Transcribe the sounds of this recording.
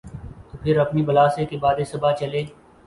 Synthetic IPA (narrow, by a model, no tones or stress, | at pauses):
t̪oːpʰɪɾɐpnibɐlaːsekebaːd̪esɐbaːt͡ʃɐleː